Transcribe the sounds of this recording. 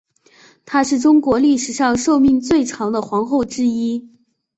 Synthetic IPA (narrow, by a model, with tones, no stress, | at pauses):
t̪ʰa˥ʂɻ̩˥˩ʈ͡ʂʊ˥ŋkwɔ˧˥li˥˩ʂɻ̩˨˩ʂɑ˥˧ŋʂo˥˧ʊmi˥˧ŋt͡swe˥˩ɪʈ͡ʂʰɑ˧˥ŋd̪ə˧xwɑ˧˥ŋxo˥˩ʊʈ͡ʂɻ̩˥i˥